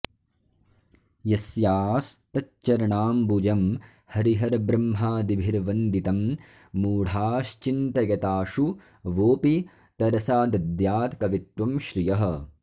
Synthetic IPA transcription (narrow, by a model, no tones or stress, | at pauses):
jɐsjaːst̪ɐtt͡ʃɐɾɐɳaːmbud͡ʒɐm | hɐɾiɦɐɾbɾɐmɦaːd̪ibʱiɾʋɐnd̪it̪ɐmː | uːɽ̤ʱaːʃt͡ʃint̪ɐjɐt̪aːʂu | ʋoːpi | t̪ɐɾɐsaːd̪ɐd̪jaːt̪kɐʋit̪wɐmʃɾijɐɦɐ̆